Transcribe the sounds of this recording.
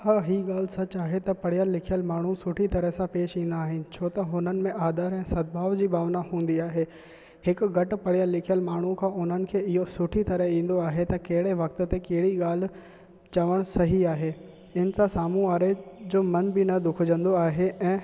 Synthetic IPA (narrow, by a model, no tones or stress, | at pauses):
ɐɦiːɠaːlɪsɐt͡ɕaːɦet̪ɐpɐɽ̤ijəlːɪkʰijəlmaːɳ̤usʊʈʰit̪ɐɾəɦsãpeːʃĩːn̆d̪aːɦɪnɪ̆t͡ɕʰoːt̪ɐɦʊn̤ənɪ̆mẽʔaːd̪aːɾɛ̃ːsɐd̪̚bʱaːʋd͡ʑiːbʱaːʋnahũːn̆d̪iaːɦe | hɪkʊɡɐʈʊ̆pɐɽ̤ijəlːɪkʰijəlmaːɳ̤ũkʰãːʊn̤ənɪ̆kʰeːɪɦosʊʈʰit̪ɐɾəĩːn̆d̪oaːɦet̪ɐkɐɦɪɽeʋɐkt̪ʊt̪ekɐɦɪɽiɠaːl̤ɪ̆ | t͡ɕɐʋəɽ̃sɐɦiaːɦe | ɪnsãsaːmũaːɾed͡ʑoːmɐnbɪnɐd̪ʊkʰɪd͡ʑɐ̃nd̪oaːɦeɛ̃ː